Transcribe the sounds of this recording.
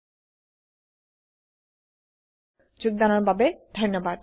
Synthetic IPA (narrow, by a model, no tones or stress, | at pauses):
d͡ʑuɡ̚d̪anoɾbʱabed̪̥ʱɔnːobad̪